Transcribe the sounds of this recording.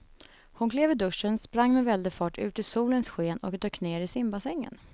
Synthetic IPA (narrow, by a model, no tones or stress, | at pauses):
hʊnkʰleːvɪd̪ɵʂənspɾaŋːmɛvɛld̪ɪfɑːʈʰʉ̟̰ːt̪ɪsuːlənsɧeːnɔkd̪øːkneːɾɪsɪmbasɛŋːə̰n